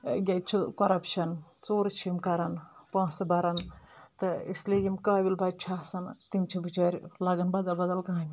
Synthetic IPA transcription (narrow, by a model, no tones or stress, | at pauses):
ɡʲɐt̪̚t͡ʃʰukɐɾɐpʃɐnt͡soːɾt͡ʃʰimkɐɾɐnpãːsɨbɐɾɐnt̪ɨislijimkaːbilbɐd͡ʒ̚t͡ʃʰasɐnt̪imʲt͡ʃʰibɨt͡ʃɐːɾʲlɐɡɐnbɐd̪ɐlbɐd̪ɐlkãːmʲ